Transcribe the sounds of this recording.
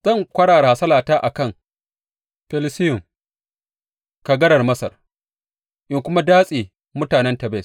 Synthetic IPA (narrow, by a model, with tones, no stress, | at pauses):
z̥ɐ˦ŋkʷɐ˦ɽaː˨ɽa˨ha˨sɐ˦laː˨taː˦ʔa˨kɐ˦˨ŋ | ɸɛ˦lɪ˦sɪ˦jʊ˨m | ka˨ɡɐ˦ɽɐ˨rmɐ˦sɐ̰˨r | ʔɪ˨ŋkʷʊ˦ma˦daː˦sʼiː˨ | mʊ˦taː˨nɛ˦ntɐ˨bɛː˦˨